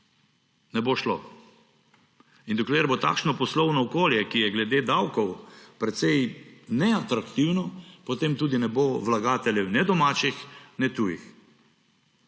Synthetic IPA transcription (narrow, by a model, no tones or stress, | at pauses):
nɛboʃlo | ind̪ɔkleɾbot̪a̰ːkʃnɔpɔslɔwnɔːkoːljɛkijɛɡlɛd̪eːd̪awkɔwpɾɛt̪sɛjnɛat̪ɾakt̪iwnɔpɔt̪eːmt̪uːd̪inɛboʋlaɡaːt̪ɛlʲjɛwnɛd̪ɔmaːt͡ʃixnɛt̪ujḭx